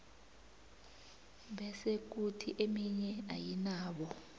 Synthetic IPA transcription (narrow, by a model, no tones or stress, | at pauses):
ɓɛsek̬utʰiʔemiɲɛa̰jinaːɓɔ